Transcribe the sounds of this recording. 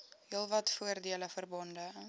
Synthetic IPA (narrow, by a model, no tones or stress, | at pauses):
ɦiəlˠvɐtfuərdiələfərbɔndə